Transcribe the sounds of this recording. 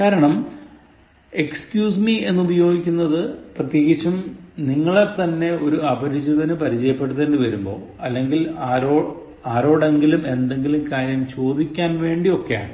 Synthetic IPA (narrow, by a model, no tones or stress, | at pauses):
kaːɾɐɳɐm | e̞kskjuːsmie̞nːubɐjo̞ːɡikʲːunːɐðɨprɐt̪jeːɣit͡ɕːumniŋːɐɭet̪ːɐnːe̞o̞ɾuɐbɐɾid͡ʑuðɐnɨpɐɾit͡ɕɐjɐpːe̞ɽuðenɖɨʋɐɾumbo̞̰ː | ɐlːe̞ŋɡilaːɾoː | aːɾo̞ːɽe̞ŋɡilume̞nd̪e̞ŋɡilumkaːɾjɐmt͡ɕo̞ːd̪ikʲːaːnʋe̞ːɳɖio̞kːe̞ja̰ːɳɨ